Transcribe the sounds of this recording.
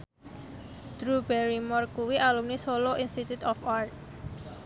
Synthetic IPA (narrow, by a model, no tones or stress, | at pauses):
d̪̥ɾubɛɾimɔrkuwiʔalumnisoloʔinst̪it̪ut̪ɔfart̪̚